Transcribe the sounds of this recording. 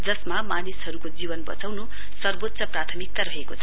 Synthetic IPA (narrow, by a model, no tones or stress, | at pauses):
d͡zʌsmamanisɦʌɾukod͡zibʌnbʌ̰t͡sawnu | sʌrbot̪ːsʌprat̪ʰʌmik̚t̪aɾʌɦekot͡sʰʌ